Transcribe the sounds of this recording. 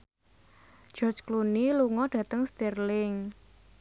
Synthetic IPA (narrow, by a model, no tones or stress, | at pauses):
d͡ʒ̥ɔrd͡ʒkluniluŋɔɖ̥ä̤t̪əŋst̪irlɪŋ